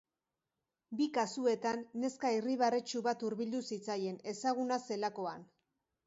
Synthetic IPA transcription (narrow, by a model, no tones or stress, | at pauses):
bikasue̞t̪anːe̞skairiβaret͡ʃuβat̪uɾβild̪usit͡saje̞ne̞saɣ̞unase̞lako̞an